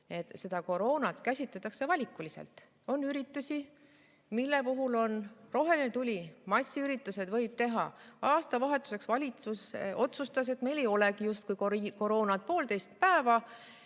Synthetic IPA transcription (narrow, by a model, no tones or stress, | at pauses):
e̞t̪se̞d̪ɑko̞ɾo̞ːnɑt̪kæsʲit̪ˑlet̪ːˑɑkse̞vɑlʲikːˑulisḛlt̪ˑ | o̞nːyɾit̪ːˑusʲi | milːe̞puɦulo̞nro̞ɦe̞linet̪ulʲimɑsʲːiyɾit̪ːˑuse̞d̪̥vɤ̞jb̥̚t̪e̞ɦɑ̰ɑːst̪ɑvɑɦe̞t̪ːˑu̥se̞ksvɑlʲit̪suso̞t̪sust̪ɑs̬e̞t̪ːme̞jle̞jo̞lekijust̪kujkko̞ɾo̞ːnɑt̪̚po̞ːlt̪e̞jst̪̚pæevɑ